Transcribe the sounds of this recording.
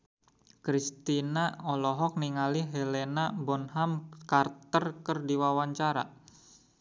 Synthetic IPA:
kɾist̪inaɔlɔɦɔk̚niŋaliɦelenabɔnɦamkart̪ərkərdiwawaɲt͡ʃaɾa̰

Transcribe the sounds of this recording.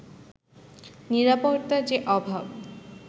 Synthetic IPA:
niɾapoɾt̪ad͡ʑeʔɔbʱab

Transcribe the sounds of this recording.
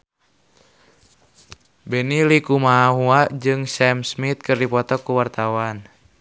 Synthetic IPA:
bɛnilikumaːɦuad͡ʒɨŋsɛmsmit̪̚kɨrdipɔt̪ɔkːuwart̪awan

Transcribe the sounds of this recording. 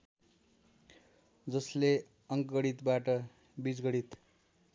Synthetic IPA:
d͡zʌsle | ʌŋkɡʌɽit̪baʈʌ | bid͡zɡʌɽit̪

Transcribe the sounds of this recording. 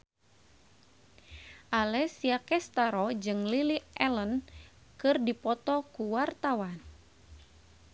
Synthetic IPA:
ʔalɛsiakɛst̪aɾɔd͡ʒɨŋliliʔɛlən | kɨrdipɔt̪ɔkuwart̪awan

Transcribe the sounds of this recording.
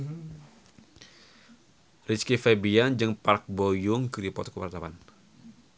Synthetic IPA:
rit͡ʃkifɛbiand͡ʒɨŋpark̚bojʊŋkɨɾipɔt̪kubart̪awan

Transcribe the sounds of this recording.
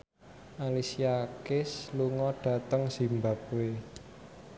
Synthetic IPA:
ʔalisiakɪsluŋɔɖ̥ä̤t̪əŋsimba̤p̚we

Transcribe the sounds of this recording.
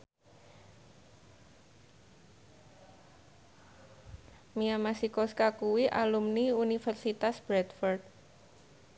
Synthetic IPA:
miamasikɔskakuwiʔalumniunifərsit̪asb̥ɾɛt̪fɔrt̪̚

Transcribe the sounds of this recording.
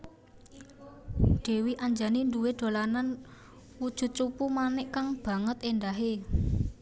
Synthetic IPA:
d̥e̤wiʔaɲd͡ʒaninduweɖ̪̥o̤lanan | wud̥ʒ̥ṳt̪̚t͡ʃupumanɪʔkaŋb̥ä̤ŋət̪endaɦe

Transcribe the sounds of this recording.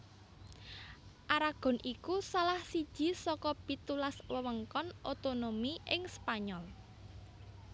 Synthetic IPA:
ʔaɾaɡ̥ɔ̤nʔikusalahsid̥ʒ̥i̤sɔkɔpit̪ulaswəwəŋkɔnʔot̪onomiʔɪŋspaɲɔl

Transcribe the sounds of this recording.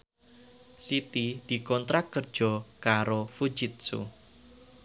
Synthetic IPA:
sit̪id̪̥i̤kɔnt̪ɾak̚kːər̥ʒ̥ɔ̤kaɾofu̥d͡ʒɪt̪̚sṵ

